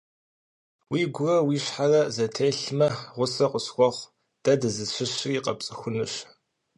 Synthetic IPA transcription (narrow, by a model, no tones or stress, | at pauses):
wiːɡʷʊrɐwiːɕħarɐzɐtʰeːɬmɐʁʷʊsɐqʷʼʊsxʷɔχʷ | d̥ɐdɨzɨɕɪɕriːqɐpt͡sʼɨxʷʊnɨɕ